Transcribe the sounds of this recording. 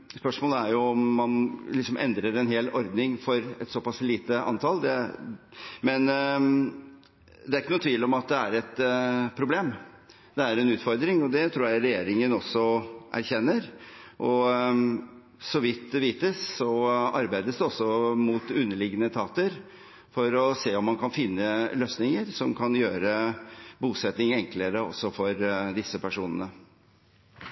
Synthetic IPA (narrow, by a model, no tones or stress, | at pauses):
spœʂmoːləæɾjʊɔmːɑnlɪksɔmʔɛ̰nd̪ɾəɾɛnɦeːlɔɾd̪nɪŋfɔɾɛt̪sɔpɑsliːt̪əʔɑ̰nt̪ʰɑld̪ɛ̰ | mɛn | d̪ɛæɾɪkːənʊːt̪ʰʋiːlɔmɑt̪̚d̪ɛæɾɛt̪pʰɾʊbleːm | d̪ɛæɾɛnʉːt̪fɔɾd̪ɾɪŋɔd̪ɛt̪ʰɾuːɾjæɪɾɛjeːɾɪŋənɔsːɔʔæ̰ɾçɛnːəɾʔɔ | sɔʋɪt̪̚d̪ɛʋiːt̪əssɔɑɾbæɪd̪əsd̪ɛɔsːɔmut̪ʉnːəɭɪɡənət̪ʰɑːt̪əɾ | fɔɾɔseːɔmːɑnkʰɑnfɪnːəløːsnɪŋəɾsɔmkʰɑnjøːɾəbuːsɛt̪nɪŋɛŋkləɾəɔ̰sːɔfɔɾd̪ɪsːəpʰæʂuːnənə